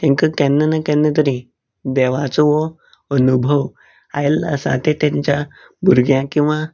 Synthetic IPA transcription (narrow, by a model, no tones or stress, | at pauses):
t̪ɛ̃ŋkəkɛ̃nːənakɛnːət̪əɾĩ | d̪ɛʋat͡səʋɔ | ənubʱəw | ajlə̰sã̰t̪et̪ãɲt͡ɕja | bʱuɾɡjãkĩw̃ʋa